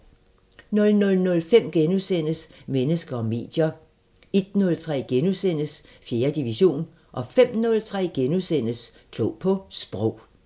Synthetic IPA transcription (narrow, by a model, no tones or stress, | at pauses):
nɔ̽lnɔlnɔ̽lfem̰ɡ̥enusen̰əsmenəsɡ̥ɐɒ̽me̝̰ːd̥jɐ | e̝d̥nɔ̽lt͡sʰʁɛ̰ːɡ̥enusen̰əs | fje̝ːɐd̥iʋiɕo̝̰ːn | ʔɒ̽fem̰nɔ̽lt͡sʰʁɛ̰ːɡ̥enuðˠsen̰əs | kʰlɔ̰ːpʰɒ̽sb̥ʁɔʊ̰